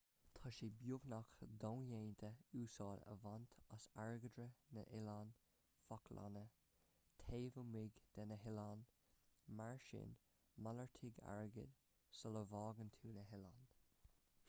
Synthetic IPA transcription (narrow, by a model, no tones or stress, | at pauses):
t̪ʰɑʃibjʊɡnaxd̪ɔnjeːnt̪ʰəuːsɑːdə̰vant̪ʰasaɹɡədɾənə̰ʔɪlan | fakʰla̰nə | t̪ʰeːvəmɪɡd̪̥ɛnəɦɪlan | maɹʃɪ̰n | maləɹt̪ʰɪɡa̰ɹɡə̰d̪ | sɔləvɑːɡənt̪ʰuːnəɦɪlan